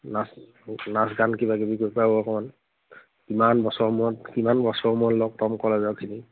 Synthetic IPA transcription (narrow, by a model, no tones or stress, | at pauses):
nas | nasɡankibakibikopaoɔkɔman | kimanbɔsɔɹmuɔtkimanbɔsɔɹmuɔtlɔk̚tɔmkɔlɛzɔkʰini